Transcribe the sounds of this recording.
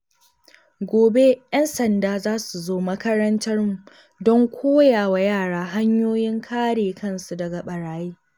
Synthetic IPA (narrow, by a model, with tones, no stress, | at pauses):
ɡʷoː˨be˦jɐ˦nsɐ˨ndaː˦zaː˦su˨zoː˦mɐ˦kɐ˦ɾɐ˦ntɐ˦rmu˨ | dɔ˦ŋkʷʰoː˦jaː˨wa˨jaː˦˨ɽaː˦ɦa˦ɲjoː˦jɪ˦ŋkʰaː˦ɽeː˨kɐ˦nsu˨dɐ˨ɡa˨ɓɐ˨ɽaː˨jeː˦